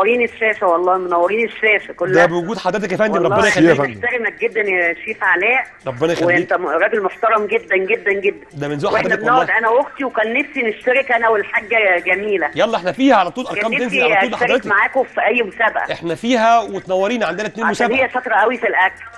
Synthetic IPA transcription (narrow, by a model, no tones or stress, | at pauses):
ɑɾiːneʃːæːʃæwɑlˤːɑːmonæwːɑɾiːneʃːæːʃækolːd̪æbewɡuːd̪ħad̪æːt̪̬ækʔæfænd̪imɾˤɑbenɑjexælːeħt̪æɾemæk̚ɡed̪ːænʃiːfʕalæːʔ | ɾˤɑbːenɑjewæelʔeiːntk̪t̪æɾˤɑːɡelmoħt̪ɑɾˤɑmɡed̪ːænɡed̪ːænɡed̪ːænd̪æbenzuːʔwʔeadeænæbeæd̪ʔænæwoɡt̪iwekænːefsineʃt̪æɾekʔænæwelħaːɡːæɡæmiːlæjɑlːɑʔeħnæfiːhæʕalæt̪ˤːuːlʔɑɾˤnkɑːmenziaːd̪ħæɾːt̪maʕaːkofiʔæjːmosæːbaʔæ̰ʔeħnæfiːɦæwet̪næwːɑɾiːnʕand̪enæt̪neːnmosæːhejːæʃɑt̪ˤɾˤɑʔæwifilʔækl